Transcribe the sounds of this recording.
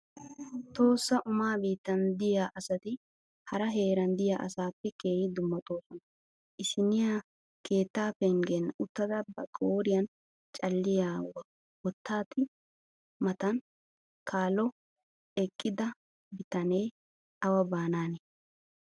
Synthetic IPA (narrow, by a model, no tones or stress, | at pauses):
t̪o̞ːsːɐʔʊmaːbiːt̪ːɐnd̪ɪjaːʔɐsɐt̪ɪ | hɐɾɐɦe̞ːɾɐnd̪ɪjaːʔɐ̰saːpːɛke̞ːhɪd̪ʊmːɐt̪ʼo̞ːsɔnɐ | ʔɪʃɪnɪja | keːt̪ːaːpːɛŋɡenːʔʊt̪ːɐd̪ɐbɐkʼoːɾɪjɐn | t͡ʃʼɐlːɪjaːwɐ | wɔt̪ːaːt̪ɪ | mɐt̪ɐn | kʰaːlɔ | ɛkʼːɪd̪ɐ | bɪt̪ɐneː | ʔɐwɐbaːnaːne